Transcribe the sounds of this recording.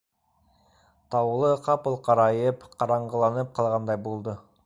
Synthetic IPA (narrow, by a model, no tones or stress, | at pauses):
t̪ʰɑwlˠəqʰɑpəlˠqʰɑɾɑjəpqʰɑɾɑɴʁəlˠɑnəp̚qʰɑlˠʁɑnd̪ɑjbolˠd̪ə